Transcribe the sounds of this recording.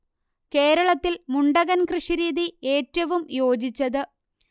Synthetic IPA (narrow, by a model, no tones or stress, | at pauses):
ke̞ːɾɐɭɐt̪ːilmuɳɖɐɣɐnkrɨʂiɾiːd̪ieːtːɐʋumjo̞ːd͡ʑit͡ɕːɐðɨ